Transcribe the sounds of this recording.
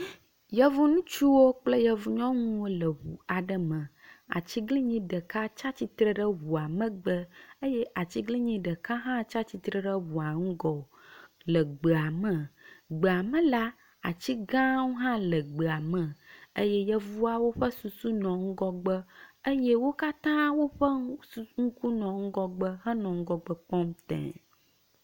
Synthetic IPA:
jɛ˦vu˦nũ˦t͡ʃu˦wo˦k͡plə˦jɛ˨vu˨ɲɔ̃˦ŋũũ˦wo˦lə˨wu˨a˨ɖə˦mə̃˨ | a̰˨t͡ɕi˦ɡli˦ɲĩ˦ɖə˨ka˦t͡ʃa˦t͡ɕi˦t̪ɾə˦ɖə˦wu˨a˨mə̃˦ɡ͡bə˦ə˦jɛ˦ʔa˨t͡ɕi˦ɡli˦ɲĩ˦ɖə˨ka˦ɦã˦t͡ʃa˦t͡ɕi˦t̪ɾə˦ɖə˦wu˨a˨ŋũ˦ɡɔ˨ | lə˨ɡ͡bə˨a˨mə̃˨ɡ͡be˨a˨mə̃˨la˦ | a˨t͡ɕi˦ɡã˦wo˦ɦã˦lə˨ɡ͡bə˨a˨mə̃˨ə˦jɛ˦jɛ˦vu˦a˦wo˦ɸə˦su˨su˦nɔ̃˨ŋ̩˦ɡɔ˦ɡ͡bə˦ə˦jɛ˦wo˦ka˦t̪ã˦wo˦ɸə˦u˦ŋ̩˦ku˦nɔ̃˨ŋ̩˦ɡɔ˦ɡ͡bə˦ɦə˦nɔ̃˨ŋ̩˦ɡɔ˦ɡ͡bə˦k͡pɔ˦mt̪ɛ̰̃˨

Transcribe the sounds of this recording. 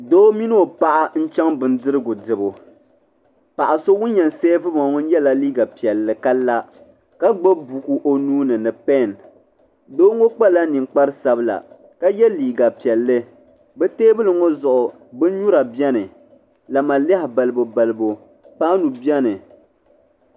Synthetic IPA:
doː˦mi˦n˦o˨pa˦ʔa˦n̩˦t͡ʃɛ˦ŋbɨ˨ndɨ˦ɾɨ˦ɡʊ˨dɨ˨bo˨ | pa˨ʔa˨so˦wʊ˦n˦ɲɛ˨n˨seː˦vɨ˦bɔ˨ŋ˦ŋɔ˦n̩˦jɛ˦la˦liː˦ɡa˨pi˨ɛ˨lːɨ˨ka˦la˦ | ka˦ɡ͡bo˦bu˨ku˦ʔo˦nuː˦nɨ˨nɨ˨pɛ˦˨n | doː˦ŋo˦k͡pa˦la˦ni˨ŋk͡pa˦ɾɨ˦sa˨bɨ˦la̰˨ | ka˦jɛ˦liː˨ɡa˨pi˨ɛ˨lːɨ˦ | bɛ˦teː˦bɨ˦lɨ˨ŋo˦zʊ˨ʔʊ˨ | bɨ˦n˦ɲu˦ɾa˨bi˦ɛ˦nɨ˨ | la˨ma˨lɛ˦hɪ˨ba˨lɨ˨bo˨ba˨lɨ˨bo˨ | paː˦nu˨bi˦ɛ˦nɨ˨

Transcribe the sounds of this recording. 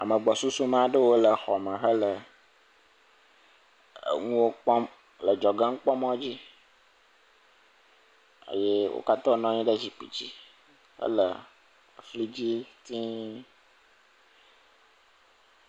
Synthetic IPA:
a̰˨mə̃˨ɡ͡bɔ˨su˦su˦m˦a˨ɖə˦wo˦lə˨xɔ˨mə̃˨ɦə˦lə˨ | ŋũ˦wo˦k͡pɔ˦m | lə˨d͡ʒɔ˨ɡã˦ŋ̩˦k͡pɔ˦mɔ̃˦d͡ʑi˦ | ə̰˨je˦wo̰˦ka˦t̪ɔ̃˦nɔ̃˦ɲĩ˦ɖə˦d͡ʑi˨k͡pḭ˨d͡ʑi˦ | hə̰˦lə˨ | fli˦d͡ʑi˦t̪ĩ˦

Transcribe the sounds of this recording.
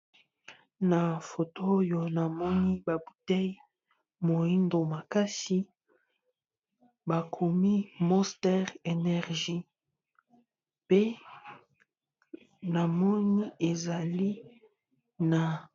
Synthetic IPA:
na˨fo˨to˦jo˨na˨mɔ˦ni˦ba˨bu˨tɛ˦j | mo˨i˦ndo˨ma˨ka˦si˦ | ba˨kʰo˨mi˦mɔ˦stɛ˦ʁe˨nɛ˨ʁʒi˦ | pe˦ | na˨mɔ˦ni˦e˨za˨li˦ | na˨

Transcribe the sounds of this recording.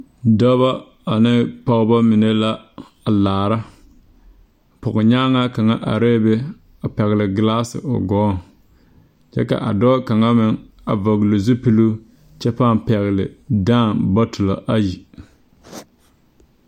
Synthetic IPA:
dɔ˦βa˦ | a˨nɪ˦pɔ˦ɣba˦mɪ˨ne˦la˦ | a˨laː˨ɾa˦˨ | pʊ˨ɣɪ˨ɲaː˦ŋa˦ka˨ŋa˦ʔa̰˨ɾeː˦be˦ | a˨pɛ˨ɣɪ˨lɪ˨ɡɪ˨la˦sɪ̰˨ʊ̰˨ɡɔː˨˦ŋ | t͡ʃɛ̰˦ka̰˨ʔa̰˨dɔː˦ka˨ŋa˦mɪ˨ŋ | a˨va˨ɡlo˨zu˦pi˦lu˦ | t͡ʃɛ˦paː˦˨n˨pɛ˨ɣɪ˨lɪ̰˨daː˦˨nba˦tʊ˨la̰˨ʔa˦ji˨

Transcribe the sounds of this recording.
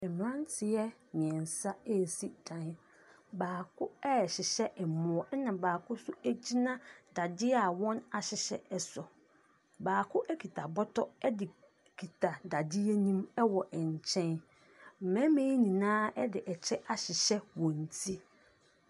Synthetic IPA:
ɛ˨m̃˨ã˦n˦tʰɪ˨jɛ˦mɪ̃˨ɛ̃˨n˨sa˦ɛ˦˨si˦dʰã˨n˦ | baː˨kʰʊ˦ɛ˦ɛ˨ɕɪ˨ɕɛ˦ʔɛ˨mʊ̃˨ɔ˨˦nã˨baː˨kʰʊ˦sʊ˦æ˦d͡ʑi˦nã˦da˨dɪ˦a˨wɔ̃˦na˨ɕɪ˨ɕɛ̰˨ɛ˨sɔ˨ | baː˨kʰʊ˦ʔɛ˦kʰi˨tʰa˨bɔ˦tʰɔ˦ɛ˦dɪ˨ | kʰi˨tʰa˨da˨dɪ˦ɛ˦nĩ˦mɛ˦wɔ˨ʔɛ˨ɲ˨t͡ɕʰɛ̃˦n | m̩˨mɛ̃˦mẽː˦i˦nĩ˨nãː˦ɛ˦dɪ˨ʔɛ˨t͡ɕʰɛ˦ʔa˨ɕɪ˨ɕɛ˦wɔ̃˨n˨tʰi˦

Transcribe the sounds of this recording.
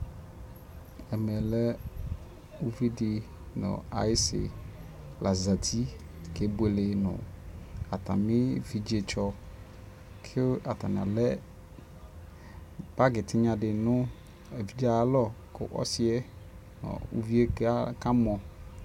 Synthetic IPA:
ɛ˨mɛ˨lɛ˦ | u˦vi˦dɪ˨ | nɔ̰̃˨a̰˨jɪ˦sɪ̰˨ | la˨za˨t̪ʰi˦ke˦be˨lɪ˨nʊ̰̃˨a˨t̪a̰˨mɪ̃˦vi˨d͡ʒe˨t͡ʃɔ˦ | kʰɪ˦a˨t̪a˨n˨a̰˨lɛ˦ | b̥a˦ɡɪ˨t̪ʰɪ˦ɲã˨ɖɪ˨nʊ̃˦ | e˨vi˦d͡ʒa˦˨˦lɔ˦kʊ̰˦ʔɔ̰˦sɪ˦ɛ˦ | nɔ̰˨ṵ˦vi˦e˦ka˦mɔ˨

